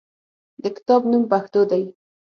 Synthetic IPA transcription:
d̪əkɪ̥t̪ɑbnumpaxt̪od̪aj

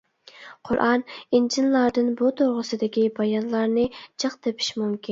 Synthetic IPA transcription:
qʰʊɾʔɑnind͡ʒinlˠɑɾd̪ɨnbut̪ʰoɾʁəsɨd̪ɪkʲibɑjɑnlˠɑɾnɨt͡ʃʰəχt̪epʰi̥ʃmumkʲʰin

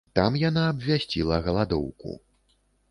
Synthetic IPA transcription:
t̪amjanaːbvʲasʲt͡sʲilˠɐɣɐlˠad̪ɔ̰wkṵ

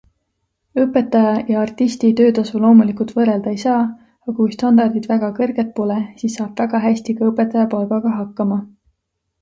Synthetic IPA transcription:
ɤpːˑe̞t̪ːˑɑjɑjɑɑrt̪ːˑist̪it̪ø̞ːt̪ɑsulo̞ːmulikult̪vɤɾe̞ld̪̥ɑejsɑː | ɑkujst̪ɑnd̪ɑrd̪id̪væɡ̥ɑkɤrɡ̥e̞t̪̚po̞lesiːsːɑːb̥væɡ̥ɑɦæsʲt̪ikɑɤpːˑe̞t̪ːˑɑjɑpɑlɡɑɡ̥ɑɦɑkːˑɑmɑ

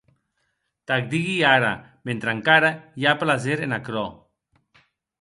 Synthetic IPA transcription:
t̪ak̚d̪iɣiaɾa̰ | bent̪ɾaŋkaɾajaplazeɾenakɾɔ

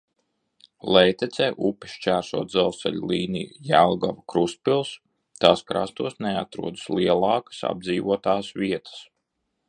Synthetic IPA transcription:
lɛjt̪ɛt̪sɛːʔupi̥ʃt͡ʃæːɾsuɔt̪zɛlˠsɛ̰lʲliːnḭjujælˠɡavakɾuspilˠs | t̪aːskɾa̰st̪uɔsneat̪ɾuɔd̪ɨslˠiɛlˠɑːkə̥sa̰b̚d̪ziːʋuɔt̪aːsʋʲiɛt̪ə̥s

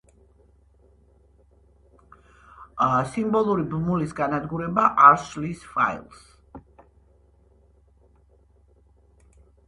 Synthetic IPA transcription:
simbɔlˠuɾibmulisɡanad̪ɡuɾɛbaʔaɾslisfa̰ḭlˠs

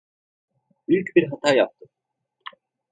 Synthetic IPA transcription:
yjcʲbiɾɦat̪ʰaːjap̚t̪ɯ

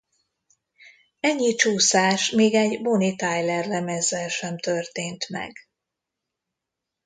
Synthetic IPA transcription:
ɛɲːit͡ʃuːsaːʃmeːɡɛɟbonit̪ajlɛrlɛmɛzːɛlʃɛmt̪ørt̪eːnt̪mɛ̰ɡ

